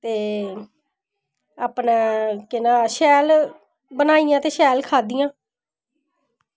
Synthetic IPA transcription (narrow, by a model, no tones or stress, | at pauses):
t̪eː | aːpnãːkɪnãːʃɛːl | bənaːijãːt̪eːʃɛːlkʰaːd̪ijãː